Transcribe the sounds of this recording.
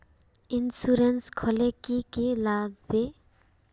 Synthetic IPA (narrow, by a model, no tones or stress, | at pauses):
insuɾenskʰolekikilaɡ̚be